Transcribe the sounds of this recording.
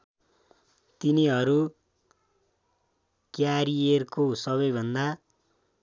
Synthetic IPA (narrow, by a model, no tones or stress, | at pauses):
t̪iniɦʌɾu | kjaɾierkosʌβʌjbʱʌnd̪a